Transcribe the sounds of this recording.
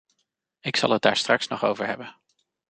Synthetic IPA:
ɪksɑ̰lˠɦəd̚daːɹstrɑksnɔχowvəɹɦɛbən

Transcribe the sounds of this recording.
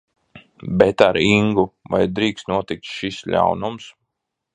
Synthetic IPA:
bɛt̪aɾiŋɡuva̰jd̪ɾiːkst̪nuɔt̪ik̚t̪ʃislʲa̰wnums

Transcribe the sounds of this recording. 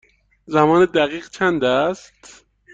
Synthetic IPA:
zæmɒːned̪æɣiːɣt͡ʃʰænd̪æst̪

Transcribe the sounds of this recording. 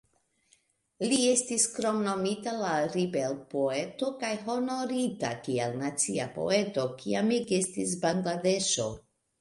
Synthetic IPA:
lie̞stiskɾo̞mno̞mitalaɾibelpoe̞to̞kajɦo̞no̞ɾita̰kielnat͡siapo̞̰e̞to̞kʰiamiɡestis̬baŋɡlade̞ʃo̞

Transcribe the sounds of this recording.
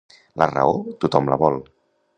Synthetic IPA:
lʔərə̰ot̪ut̪ɔmləβɔlˠ

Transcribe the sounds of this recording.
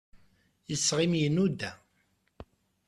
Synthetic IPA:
jəsːʁɪmjənːud̪æ

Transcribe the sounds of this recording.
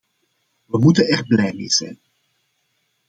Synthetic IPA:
ʋəmutənɛrblɛjmeːjz̥ɛ̰jn

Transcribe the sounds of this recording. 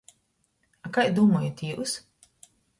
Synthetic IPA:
akajd̪uːmɔjat̪ʲiːus

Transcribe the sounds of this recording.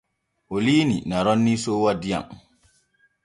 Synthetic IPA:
ʔoliːninaɾɔnːisoːwadːija̰ŋ

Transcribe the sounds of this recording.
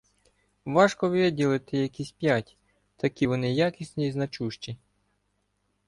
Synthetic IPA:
ʋɑʃkɔʋʲidʲilˠɪt̪ɪjɐkisʲpʲjatʲ | t̪ɐkʲiʋɔnɪjakʲisʲnʲijiznɐt͡ʃuʃt͡ʃi

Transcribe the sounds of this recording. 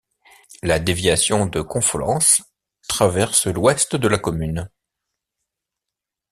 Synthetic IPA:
lad̪evjasjɔ̃d̪əkɔ̃flɑ̰̃s | t̪χavɛʁslwɛst̪d̪əlakɔmyn

